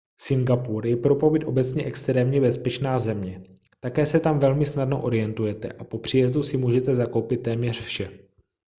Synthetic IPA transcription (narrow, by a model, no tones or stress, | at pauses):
sɪŋɡapuɾjɛpɾo̞po̞vɪt̪ʔo̞bɛt͡sɲɛʔɛkst̪ɾɛːmɲɛbɛspɛt͡ʃnaːzɛmɲɛ | t̪akɛːsɛt̪amvɛlmɪsnadnoʔo̞ɾɪjɛnt̪ujɛt̪ɛ̰ʔapo̞pr̝̥ijɛzd̪usɪmuːʒɛt̪ɛzakowpɪt̪ːɛːmɲɛr̝fʃɛ